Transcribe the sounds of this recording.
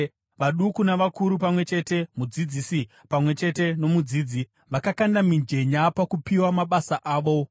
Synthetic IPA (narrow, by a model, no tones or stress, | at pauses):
ʋaɗukunaʋakuɾupamwe̞t͡ʃe̞ːte̞mud͡zid͡ziːsi | pamwe̞t͡ʃe̞te̞no̞mud͡ziːd͡zi | ʋakakandamind͡ʒe̞ɲapakupiwamaɓasaʔaːʋo̞